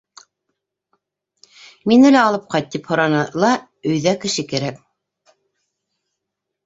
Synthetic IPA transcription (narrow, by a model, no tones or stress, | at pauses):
minɘ̆læɑlˠɤp̚qɑjt̪̚t̪ːiphŏɾɑnɤlˠɑ | ɵ̆jðækɘ̆ʃɘkæɾæk